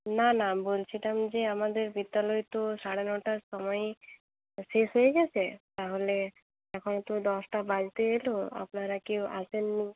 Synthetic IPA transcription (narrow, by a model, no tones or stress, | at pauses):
nanabolt͡ʃʰiʈamd͡ʑeamad̪eɾbid̪jalɔjt̪osaɽenɔʈaɾsɔmɔj | sesɦojeɡɛt͡ɕʰet̪aɦole | ɛkʰɔnt̪od̪ɔsʈabad͡ʒt̪eːloa̰pnaɾakeʔa̰sʰenːi